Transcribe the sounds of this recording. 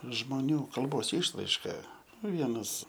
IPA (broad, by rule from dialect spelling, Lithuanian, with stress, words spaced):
ʒmoːˈnʲuː kɐlˠˈboːs ˈɪʃrɐɪʃkɐ nʊ ˈʋʲiɛnɐs